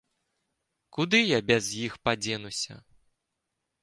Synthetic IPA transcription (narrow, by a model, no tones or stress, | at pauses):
kud̪ɨjabʲɛzjixpad͡zʲɛnusʲɐ̰